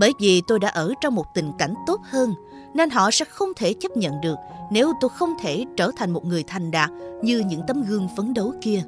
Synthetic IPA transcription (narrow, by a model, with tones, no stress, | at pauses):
ɓəː˧˩˦jvi˨˩t̪o˧jɗa̰ː˧˥ʔəː˧˩t͡ɕɔ˧wŋ͡mmo˨˩t̚t̪ï˨˩ŋ̟ka˧˩jŋ̟t̪o˦˥t̚həː˧n | ne˧nɦɔ̰˧˨sɛ̰˧˥xə˧wŋ͡mt̪ʰe˧˩t͡ɕə˦˥p̚ɲə̰˧˨nɗɨ˨˩ək̚ne˨˦wt̪o˧jxə˧wŋ͡mt̪ʰe˧˩t͡ɕəː˧˩t̪ʰa˨˩ŋ̟mo˨˩t̚ŋɨ˨˩əjt̪ʰa˨˩jŋ̟ɗaː˨˩t̚ɲɨ˧ɲɨ̰˧˥ŋt̪ə˨˦mɣɨ˧əŋfə˨˦nɗo˨˦jki˧ə